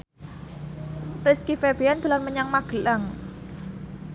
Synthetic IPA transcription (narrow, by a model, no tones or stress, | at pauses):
rɪskifeb̥iant̪ulanməɲaŋmaɡ̥əlaŋ